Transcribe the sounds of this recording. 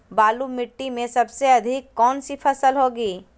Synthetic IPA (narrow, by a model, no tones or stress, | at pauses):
baːlumɪʈːimẽsɐbseɐd̪ʱɪkːɔːnsipʰɐsəlɦoːɡiː